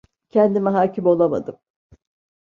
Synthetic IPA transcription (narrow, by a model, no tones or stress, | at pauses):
cʰɛnd̪imɛɦaːcimo̞lˠama̰d̪ɯm